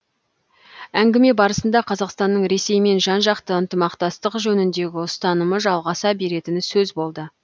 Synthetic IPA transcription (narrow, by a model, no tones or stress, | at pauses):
æŋɡʲɪme̞bɑɾəsənd̪ɑqʰɑzɑqst̪ɑnːəɴɾe̞se̞jme̞nʒɑnʒɑqt̪əənt̪əmɑqt̪ɑst̪əqʒɵnɪnd̪e̞ɡʲɪʊst̪ɑnəməʒɑlˠʁɑsɑbe̞ɾe̞t̪ɪnɪsɵzbo̞lˠd̪ə